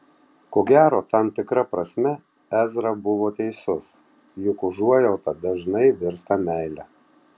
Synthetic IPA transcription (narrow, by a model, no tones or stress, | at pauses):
koːɡʲæːɾoːt̪ɐmt̪ʲɪkɾɐpɾɐsʲmʲɛ | æzɾɐbʊʋoːt̪ʲɛɪsʊs | jʊkʊʒuɔjɛʊt̪ɐd̪ɐʒnɐɪʋʲɪɾst̪ɐmʲæˑɪlʲɛ